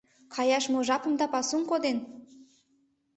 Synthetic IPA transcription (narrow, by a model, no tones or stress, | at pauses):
kʰɑjɑʃmoʒɑpə̆md̪ɑpɑsuŋkod̪en